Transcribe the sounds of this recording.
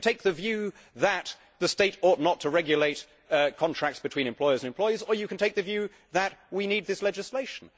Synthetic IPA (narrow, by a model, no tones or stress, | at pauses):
tʰeɪk̚ðɨvjʉ | ðət̪̚ | ðəsteɪtɔˑtⁿnətʰəɹɛɡjɨleɪt | kʰɑ̃ntʰɹ̥æk̚tsb̥ɨtʰw̥ĩñɨ̃mpʰl̥ɔɪə˞zə̃nɨ̃mpl̥ɔɪəzə˞jɨkʰn̩tʰeɪk̚ðɨvjʉ | ðət̚winid̪̚ðɪslɛd͡ʒɨsleɪʃn̩